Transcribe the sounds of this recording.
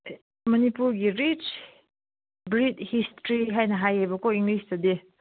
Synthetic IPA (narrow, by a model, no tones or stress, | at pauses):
mənipuɾɡiɾit͡ʃ | bɾid̪histɾiɦajnaɦajebəkoiŋɡlist̪ad̪e